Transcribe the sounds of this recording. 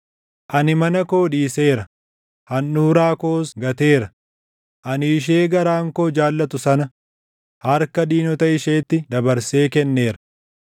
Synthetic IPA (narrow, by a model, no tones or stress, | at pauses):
ʔɐnɪmɐnɐko̞ːᶑiːse̞ːɾɐ | hɐnːuːɾaːko̞ːsɡɐt̪e̞ːɾɐ | ʔɐnɪɪʃ̬eːɡɐɾaːŋkoːd͡ʒaːlːɐt̪ʊsɐnɐ | hɐɾkɐd̪iːnɔt̪ɐɪʃe̞ːt̪ːɪd̪ɐbɐɾse̞ːkɛnːe̞ːɾɐ̥